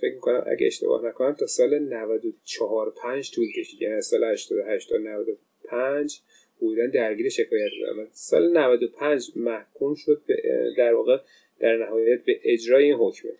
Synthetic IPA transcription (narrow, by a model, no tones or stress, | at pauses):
fe̞cʰmiko̞næ̰mʔæ̰ɟḛeʃt̪ebɒ̰hnækʰonæmt̪ʰɒːsɒːlenævæd̪ot͡ʃʰɒɦɒːɾpʰænd͡ʒt̪ʰuːlkʰe̞ʃiːd̪æniæzsɒːlehæʃt̪ʰɒːd̪oɦæʃt̪ʰɒːd̪onævæd̪o̞ | pʰænd͡ʒ | hod̪uːd̪ænd̪æɾɟiːɾeʃe̞kʰɒːjæt̪̚bḛæ̰mæd̪sɒ̰ːlenævæd̪opʰænd͡ʒmæhkʰumʃo̞d̪̚bḛd̪æɾvɒːɣe | d̪̥æɾnæhɒːjjæt̪̚beʔed͡ʒɾɒːjeiːnɦocʰme